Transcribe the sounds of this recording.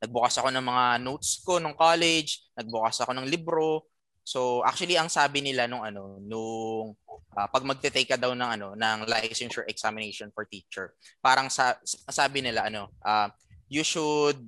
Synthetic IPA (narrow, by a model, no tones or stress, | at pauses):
nɐɡ̚bʊkasɐko̞nɐŋmɐŋanot̪sko̞nʊŋkalɛd͡ʒnɐɡ̚bʊkasɐko̞nɐŋlibɾo̞ | so̞ʔa̰k̚t͡ʃʊɐliʔɐŋsaːbɪnɪlanʊŋʔɐno̞nʊŋʔaːpɐɡ̚mɐɡ̚t̪ɛt̪ɛjkːɐd̪ɐwnɐŋɐno̞nɐŋlajsɛnʃɛɹʔɛksamɪnejʃonfɔɹt̪iːt͡ʃɛɹpaːɾɐŋsasaːbɪnɪlaʔɐno̞ʔaː | jʊʃʊd̪̚